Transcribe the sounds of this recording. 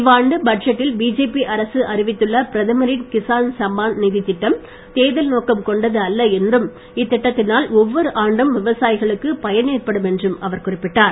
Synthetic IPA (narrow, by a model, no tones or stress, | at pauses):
ɪʋaːɳɖɯbɐɖd͡ʒɐʈːɪlbiːd͡ʒeːpiʔɐɾɐsɯʔɐrɪʋɪt̪ːɯɭːɐpɪɾɐðɐmɐɾɪnkɪsaːnsɐmbaːnnɪðɪt̪ːɪʈːɐm | t̪eːðɪlnoːkɐmkɔɳɖɐðɯɐlːɐɛndrɯm | ɪt̪ːɪʈːɐt̪ːɪnaːlɔʋːɔɾɯʔaːɳɖɯmʋɪʋɐsaːjɪɣɐɭɯkːɯpɐjɐneːrpɐɽɯmɛndrɯmɐʋɐɾkʊrɪpːɪʈːaːɾ